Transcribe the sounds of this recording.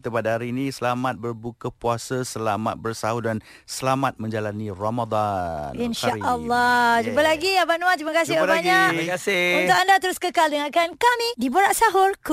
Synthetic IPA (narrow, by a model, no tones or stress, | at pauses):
it̪əpadaɦaɾiːnĩsəlamat̪̚bərbukəpuasəsəlama̰t̪̚bərsaɦudan | səlamat̪̚mə̃ɲd͡ʒalaniromad̪ˤaninʃaʔəlːɔd͡ʒubəlaɡiabanũat̪ɾimakasɪabaɲaʔkasɪunt̪ʊkandat̪əɾʊskəkaldəŋakankamĩdiboɾaʔsaɦʊrk